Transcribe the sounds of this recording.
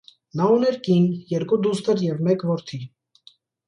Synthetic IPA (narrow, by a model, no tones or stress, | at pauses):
nɑunɛɾkinjɛɾkud̪ust̪əɾjɛvmɛkvɔɾt̪ʰi